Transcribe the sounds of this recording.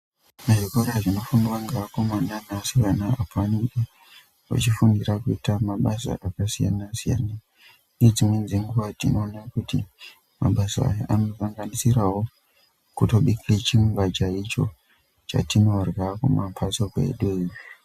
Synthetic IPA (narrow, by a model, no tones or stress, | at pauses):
maʐikoɾaʐino̞funiwaŋɡaːko̞mananasianaapaniɗe | ʋa̰t͡ʃifunirakuitamaɓasa̰ʔakasija̰nasija̰na | ied͡zimwe̞nzeŋɡuʋatino̞ːnakuti | ma̰ɓasa̰ːjaʔano̞vaŋɡanisirawo̞ | kuto̞ɓiket͡ʃiŋbat͡ʃait͡ʃo̞ | t͡ʃa̰tino̞rwakumampʰasokḛḛɗweji